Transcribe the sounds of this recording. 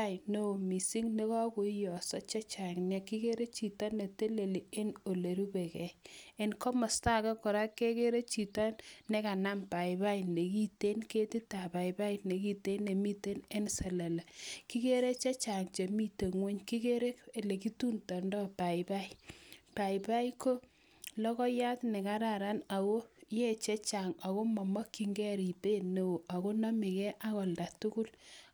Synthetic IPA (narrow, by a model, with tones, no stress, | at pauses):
a˦jno˦˨mi˨si˦ŋne˦kɔ˦kʊ˨˦jɔ˨sɔ˦t͡ʃa˦t͡ʃa˨ŋnja˦˨ki˦ke˦ɾe˦t͡ʃi˨ta˦nːe˨te˦le˨li˨e˦no˨le˨ɾu˦be˨kɛ˨e˦˨nkɔ˦mɔ˨sta˦˨kɛ˦kɔ˨ɾa˦ke˦ke˦ɾe˦t͡ʃi˨ta˦nnɛ˦ka˨na˦mpa˨ɪ˨ba˦jne˨ki˦te˦nke˦ti˦ta˨ba˨iba˦ine˨ki˦te˦ne˨mi˦te˦ne˦nsɛ˨la˨la˨ki˦ke˦ɾe˦t͡ʃe˦t͡ʃa˨ŋt͡ʃe˨mi˦te˨ŋwe˦ɲki˦ke˦ɾe˦ke˨le˨ki˦tu˦ntɔ˨ndɔ˦pa˨ɪpa˦jpa˨i˨pa˦i˦ko˦ | lɔ˦kɔ˦ja˦tnɛ˨ka˦ɾa˦˨ɾa˦na˨ko˦je˦t͡ʃe˦t͡ʃa˨ŋa˨ko˦mɔ˨mɔ˦kːi˨ŋɡɛ˦ɾi˨pe˦ne˦o˨ʔa˨ko˦nɔ˦mi˨kɛ˦ʔa˦kɔ˨lda˨tu˦ku˦l